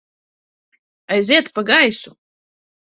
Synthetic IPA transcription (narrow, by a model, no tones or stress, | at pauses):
ajzet̪paɡajsu